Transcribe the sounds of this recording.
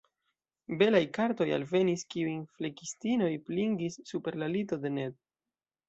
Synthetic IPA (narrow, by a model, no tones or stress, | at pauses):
be̞lajkaɾto̞ja̰lve̞niskiujflekistino̞jpliŋɡisːupe̞ɾlalito̞de̞ne̞d̚